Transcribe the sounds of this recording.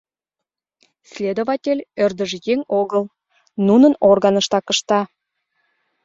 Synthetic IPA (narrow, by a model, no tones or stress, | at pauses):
sʲlʲed̪ovɑtʲelʲørd̪ə̆ʒjeŋoɣəlˠ | nunənorɣɑnə̆ʃt̪ɑkə̆ʃt̪ɑ